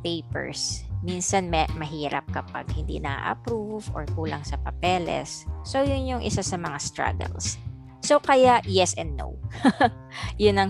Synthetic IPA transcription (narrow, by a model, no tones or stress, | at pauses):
pɛjpɛ̰ɹsminsɐnmɛmɐɦiːɾɐ̰p̚kɐpa̰ɡ̚hɪnd̪ḭnɐʔa̰ʔɐ̰pɾuvɔ̰ɹkuːlɐŋsɐpɐpɛlɛ̰sːowjʊnjʊŋʔɪsasɐmɐŋast̪ɹa̰ɡɛ̰lsː | o̞wkɐjaʔjɛsɛ̃nd̪ːo̰w | jʊnɐŋ